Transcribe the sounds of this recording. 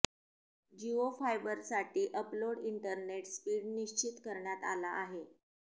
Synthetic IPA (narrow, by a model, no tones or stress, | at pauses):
d͡ʑiofajbəɾsaʈiːʔəploɽiɳʈəɾneʈspiːɽniɕt͡ɕit̪kəɾɳjat̪a̰laʔːɦe